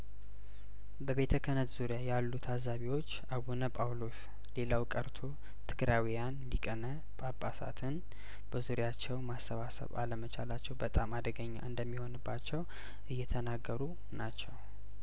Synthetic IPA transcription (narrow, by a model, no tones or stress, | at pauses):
bəβe̞t̪ʰəkʰənət̪z̥uɾijajalːut̪ʰazaβiwo̞t͡ʃːaβunəpʼawlo̞s | le̞lawkʼəɾt̪ʰo̞ | t̪ʰɨɡɾawijanlikʼənə | bʼapʼːasa̰t̪ʰɨn | b̥əzuɾjat͡ʃːɛwmasːəβasə̰βa̰ləmət͡ʃʰalat͡ʃːɛwbət̪ʼamad̪əɡəɲːa̰ʔɨnd̪əmːiho̞nɨbːat͡ʃːɛw | ʔɨjːɛt̪ʰənaɡːəɾu | nat͡ʃːɛw